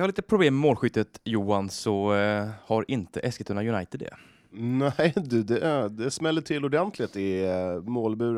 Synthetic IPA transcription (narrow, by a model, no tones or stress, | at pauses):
jhaliːt̪əpʰɾʊbleːmːɛmoːlɧʏt̪ːət̪juːansɔ | haɾʔɪnt̪əʔɛskət̪hɵnajɵnajt̪ɪd̪ɛ̰ | næɪd̪ɵd̪ɛd̪ɛsmɛlːəʈʰɪlːʊɖɛnt̪ʰlɪt̪ɪmoːlbʉ̟ːɾ